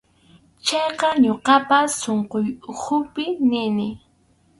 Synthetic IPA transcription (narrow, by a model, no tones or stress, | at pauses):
t͡ʃɑjqɑɲoqɑpasːoɴqojʊkʰʊpɪnɪnɪ